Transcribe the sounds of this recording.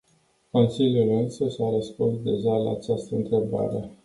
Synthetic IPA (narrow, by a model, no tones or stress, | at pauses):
ko̞nsiljulɨnsəʃaɾəspunsd̪e̞ʒala̰ːt͡ʃast̪əɨnt̪ɾe̞ba̰ɾe̞